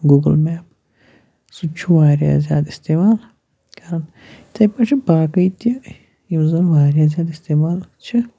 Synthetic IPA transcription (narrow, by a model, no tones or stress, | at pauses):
ɡuɡəlmɛːp | sut͡ʃʰuʋaːɾja̰ːzja̰ːt̪ist̪eːmaːl | kɐɾɐn | t̪ʰɐjpɐt͡ʃʰibaːkɐjt̪i | jiwzɐlʋaːɾjaːzʲjaːt̪ist̪eːmaːlt͡ʃʰi